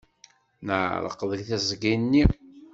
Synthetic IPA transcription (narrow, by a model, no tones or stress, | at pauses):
nəʕɾˤə̰qːðˤəkθæzɡinːi